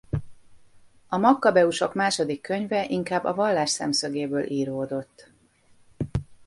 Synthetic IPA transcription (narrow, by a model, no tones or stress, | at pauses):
ɒmɒkːɒbɛuʃo̞kmaːʃo̞d̪ikːø̞ɲvɛʔiŋkaːbːɒvɒlːaːʃsɛ̰msøɡeːbøːlʔiːɾoːd̪o̞t̪ː